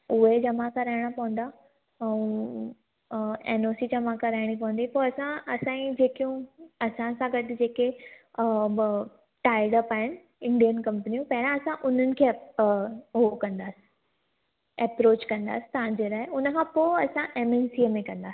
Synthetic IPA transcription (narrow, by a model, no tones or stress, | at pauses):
ʊɦed͡ʑɐmakʰãɾɐɦɪɽ̃apɐʋə̃n̆d̪a | ɛ̃ũ | eːnoːsid͡ʑɐmakʰãɾaɦɪɽ̃ipɐʋə̃n̆d̪ipoɐsãɐsãĩd͡ʑeːkijũɐsãsãɡɐdd͡ʑeːke | ʈaːɪɽəpaːɦɪnɪ̆ | ɪ̃ɳɖijənkɐ̃mpnijũpɐɦɪɾãɐsãʔʊn̤ənɪ̆kʰeː | ɦokɐ̃nd̪aːsi̥ | ɛpɾoːt͡ɕkɐ̃nd̪a̰ːsi̥t̪ɐʋ̤ãd͡ʑeɾaɦeʊnəkʰãpoːɐsãʔemensimẽkɐ̃nd̪aːsi̥